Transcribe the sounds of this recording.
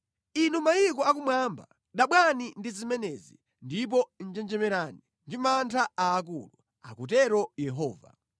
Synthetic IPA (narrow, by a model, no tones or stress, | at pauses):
inumajikɔak̬umwaːmba | ɗaɓwanindizimɛnɛzi | ndip̬ɔn̩d͡ʒɛnd͡ʒɛmɛɾani | ndimantʰaaːk̬ṵlu | a̰kutɛɾɔjɛɦɔːva̰